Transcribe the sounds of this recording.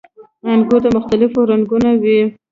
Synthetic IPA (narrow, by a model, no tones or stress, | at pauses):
aŋɡot̪amʊxt̪alɪfoɾaŋɡunawi